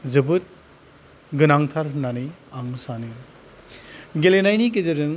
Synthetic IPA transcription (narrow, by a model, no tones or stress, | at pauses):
zɯbɯt̚ | ɡɯnaŋtʰaɾnanɯjaŋɯsanɯ | ɡelenajnik̬ezeɾɯŋ